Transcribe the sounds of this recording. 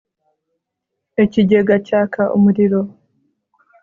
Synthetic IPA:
e̞ciɟeɡacaːkʰaʔṵmuɾiɾo̞

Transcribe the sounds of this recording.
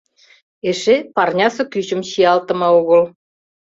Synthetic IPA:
eʃepɑrnʲɑsɤ̆kyt͡ɕə̆mɕiɑlt̪ɤ̆mɤoɣɤ̆l

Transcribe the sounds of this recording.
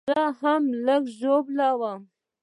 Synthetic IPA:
ahamləɡʒoblawa

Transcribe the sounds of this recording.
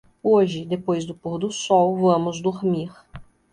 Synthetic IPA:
oʒɪd̪epojzd̪ʊpoɾd̪ʊsɔwvɐ̃mʊzd̪oɾmiɾ

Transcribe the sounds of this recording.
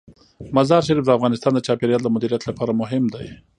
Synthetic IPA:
mazɑɾʃ̬aɾifd̪əafɣɑnɪst̪ɑnd̪ət͡ʃɑpeɾjɑld̪əmʊd̪iɾijat̪lapɑɾamʊɦɪmd̪aj

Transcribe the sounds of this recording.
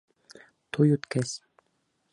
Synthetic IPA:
t̪ʰujut̪kæs

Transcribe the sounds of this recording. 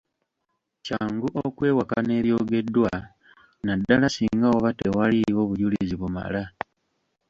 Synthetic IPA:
caːŋɡuʔokwe̞ːwakane̞ːβjo̞ːɡe̞dːwa | nadːalasiːŋɡaoβatewaliwo̞βuɟulḭziβuma̰la

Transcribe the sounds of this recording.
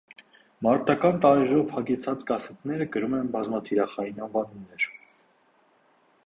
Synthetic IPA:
mɑɾt̪ɑkɑnt̪ɑɾɛɾɔvhɑɡɛt͡sʰɑt͡skɑsɛt̪nɛɾəɡəɾumɛnbɑzmɑt̪ʰiɾɑχɑjinɑnvɑnumnːɛɾ

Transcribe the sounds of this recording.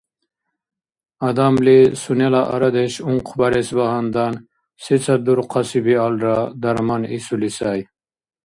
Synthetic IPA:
ɐd̪amlisunelaʔa̰ɾɐd̪eɕuŋqʰbɐɾesbaɦand̪ɑn | sit͡sʰad̪uɾqʰɑsibialɾad̪ɐɾmanisulisaj

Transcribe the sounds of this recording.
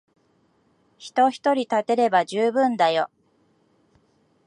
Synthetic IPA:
çi̥t̪o̞çi̥t̪o̞ɾʲit̪at̪e̞ɾe̞baʑɨːbɯ̟̃nd̪ajo̞

